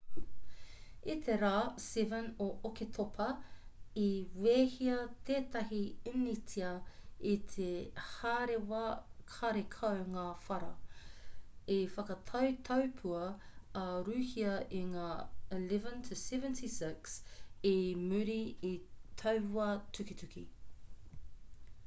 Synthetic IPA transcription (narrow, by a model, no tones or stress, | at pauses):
it̪ʰeɾaːsɛvənoʔoket̪ʰopʰɐ | iweːhiɐt̪ʰeːt̪ɐɦiinitʰiɐit̪ʰehaɾewakʰaɾekʰɐwŋaːfɐɾɐ | ifɐkɐt̪ʰɐwt̪ʰɐwpʰuɐː | ɾʉːhiɐʔiŋaːəlɛvə̃ntʰəsɛvə̃ntʰisɪksimʉɾiitʰɐwɐtʉkitʉkḭ